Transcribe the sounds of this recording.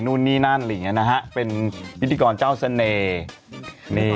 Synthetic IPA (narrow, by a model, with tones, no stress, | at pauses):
nu˥˩nːiː˥˩naː˥˩˨nlːŋi˦˥˨na˦˥kʰa˦˥ʔpe˧npʰi˦˥t̪ʰːiː˧kɔː˧nt͡ɕaː˥˩wsa˧neː˧